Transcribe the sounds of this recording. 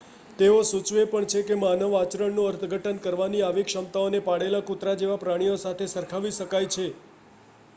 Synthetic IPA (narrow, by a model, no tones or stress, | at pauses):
t̪eosut͡ʃʋepəɳt͡ʃʰekemanəʋat͡ʃɾəɳnũəɾt̪ʰəɡʱəʈənkəɾʋaniaʋikʃəmt̪aonepaɽelakut̪ɾad͡ʒeʋapɾaɽ̃ijosat̪ʰesəɾkʰaʋiʃəkajt͡ʃʰe